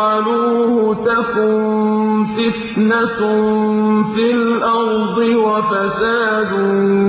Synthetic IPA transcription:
ɑluːhʊt̪akuːnsɪt̪nat | fɪlʔɑɾd̪ˤɨwafasaːd̪ʊ

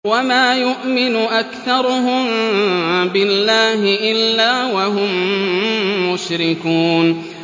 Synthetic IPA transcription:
wamaːjʊʔmɪnʊʔakθɑɾˤʊɦʊm | bɪlːaːɦɪʔɪlːaːwaɦʊmː | ʊʃɾɪkuːn

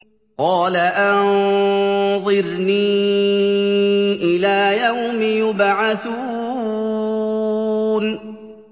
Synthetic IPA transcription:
qɑːlaʔann | ðˤɨɾniː | ʔɪlaːjawmɪjʊbʕaθu | n

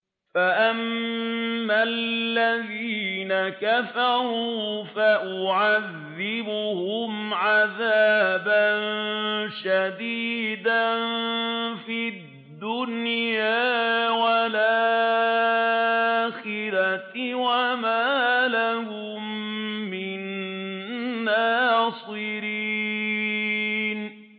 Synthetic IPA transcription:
faʔamː | alːaðiːnakafɑɾuːfaʔʊʕaðːɪbʊhʊmʕaðaːbanʃad̪iːd̪an | fi | dd̪ːʊnjjaːwalaː | xɪɾawamaːlahʊ | mː | ɪn | aːsˤɨɾi | n

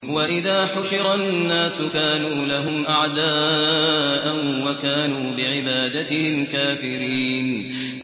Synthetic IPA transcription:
waʔɪðaːħʊʃɪɾanːaːsʊkaːnuːlaɦʊmʔaʕd̪aː | ʔanwakaːnuːbɪʕɪbaːd̪at̪ɪhɪmkaːfɪɾiːn

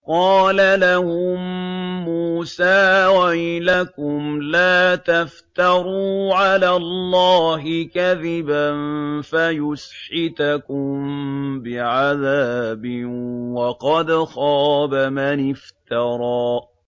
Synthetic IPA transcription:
qɑːlalahʊmːuːsaːwajɪlakʊmlaːt̪aft̪ɑɾˤuːʕalaːlːɑːɦɪkaðɪbanfajʊsħɪt̪akʊmbɪʕaðaːbɪwɑqɑd̪xɑːbamanɪft̪ɑɾˤɑː

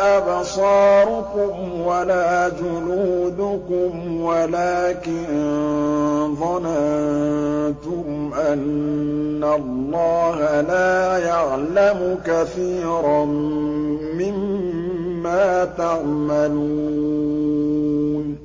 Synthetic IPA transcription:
ʔabsˤɑːɾʊkʊm | walaːd͡ʒʊluːd̪ʊkʊmwalaːkɪnn | ðˤɑna | t̪ʊmʔanː | alːɑːhalaːjaʕlamʊkaθiːɾa | mɪmː | aːt̪aʕmaluː | n

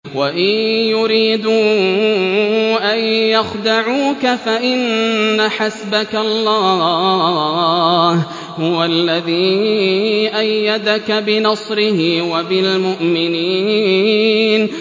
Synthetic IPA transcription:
waʔɪjʊɾiːd̪uː | ʔajjaxd̪aʕuːkafaʔɪnːaħasbakalˤːɑː | h | hʊwalːaðiː | ʔajːad̪akabɪnɑsˤɾɪhɪwabɪlmʊʔmɪniː | n

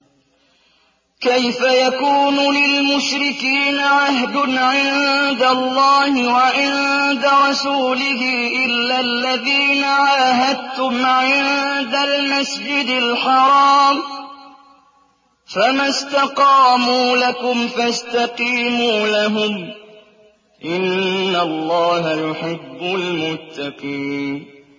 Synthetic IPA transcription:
kajfajakuːnulɪlmʊʃɾɪkiːnaʕaɦd̪ʊnʕɪnd̪alːɑːhɪwaʕɪnd̪aɾˤɑsuːlɪɦɪːʔɪlːalːaðiːnaʕaːɦad̪̚t̪ʊmʕɪnd̪almasd͡ʒɪd̪ɪlħɑɾˤɑːm | famast̪ɑqɑːmuːlakʊmfast̪ɑqiːmuːlaɦʊm | ʔɪnːalˤːɑːhajʊħɪbːʊlmʊt̪ːɑqiːn

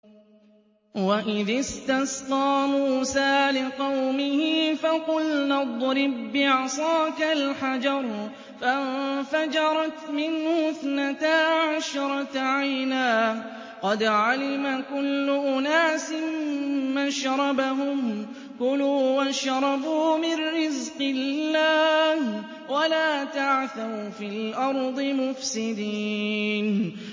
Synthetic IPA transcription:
waʔɪðɪst̪asqɑːmuːsaːlɪqɑwmɪhɪfaqʊlnad̪ˤɾɪbːɪʕɑsˤɑːkalħad͡ʒɑɾˤ | fafad͡ʒɑɾˤɑt̪mɪnhʊθnat̪aːʕaʃɾˤɑt̪ʕajnaː | qɑd̪ʕalɪmakʊlːʊʔʊnaːsɪmːaʃɾˤɑbaɦʊm | kʊluːwaʃɾˤɑbuːmɪnːɪzqɪlːaːh | walaːt̪aʕθawfilʔɑɾˤd̪ˤɨmʊfsɪd̪iːn

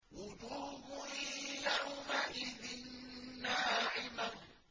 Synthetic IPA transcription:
wʊd͡ʒuːbʊjawmaʔɪðɪnːaːʕɪman

